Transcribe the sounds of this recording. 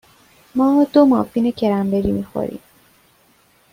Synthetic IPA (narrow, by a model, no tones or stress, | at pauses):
mɒːd̪omɒːfinecʰeɾæmbeɾimixo̰ɾḭm